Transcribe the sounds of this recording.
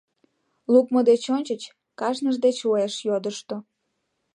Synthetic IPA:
lukməd̪et͡ɕonʲt͡ɕət͡ɕ | kɑʃnəʒd̪et͡ɕoeʃjod̪əʃt̪o

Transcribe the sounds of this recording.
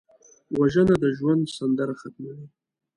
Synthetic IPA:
waʒənad̪əʒwand̪sand̪aɾaxat̪̚mawi

